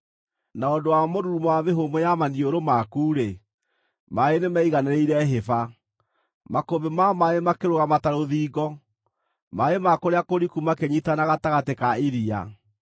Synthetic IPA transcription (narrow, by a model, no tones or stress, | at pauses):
naondowamoɾuumwameɦomojamanioɾomakuːɾe | maenemaiɣanɛɾeiɾɛɦefa | makobemamaemakeɾoɣamataɾoðiːɣɔ | maemakoɾeakoɾikumakeɲitanaɣataɣatekaeɾia̰